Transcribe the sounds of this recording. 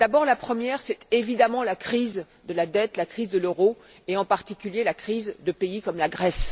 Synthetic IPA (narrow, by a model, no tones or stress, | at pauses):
d̪̥abɔʁlapχəmjɛʁsɛt̪evid̪amɑ̃lakχiz | d̪əlad̪ɛt̪lakχizd̪əløʁo | eɑ̃paʁt̪ikʲyljelakχizd̪əpeikɔmlaɡʁɛs